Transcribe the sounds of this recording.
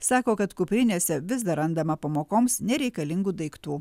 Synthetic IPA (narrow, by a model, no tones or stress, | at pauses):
sɑːkoːkɐt̪kʊpʲɾʲɪnʲeːsʲɛʋʲɪzd̪ɐɾɐnd̪ɐmɐpɐmoːkoːmsnʲɛɾʲɛɪkɐlʲɪŋɡuːd̪ɐɪkt̪uː